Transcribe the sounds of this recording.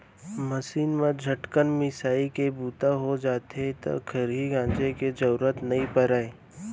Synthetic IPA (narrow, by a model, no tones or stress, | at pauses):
məsiːnmẽd͡ʒʱəʈkənmɪsaːikebuːt̪aɦod͡ʒaːt̪et̪o̰kʰəɾɦiɡãːnd͡ʒeked͡ʒɐɾuɾət̪nɐɦĩpəɾaːeː